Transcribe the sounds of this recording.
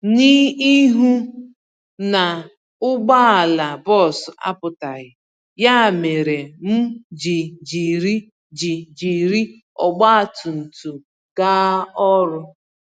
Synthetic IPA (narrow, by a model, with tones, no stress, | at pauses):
ni˦i˦ɦu˦ | na˨ | ʊ˦ɡ͡ba˦a˨la˨bɔ˦˨sa̰˦pʊ˨ta˨ɣɪ˨ | ja˦˨me˨ɾe˨m̩˦d͡ʒi˨d͡ʒi˨ɾi˦ | d͡ʒi˨d͡ʒi˨ɾi˦ | ɔ̰˨ɡ͡ba˦a˨tʊ˨n̩˨tu˨ | ɡ̥a˦ɔ˦ɾʊ˦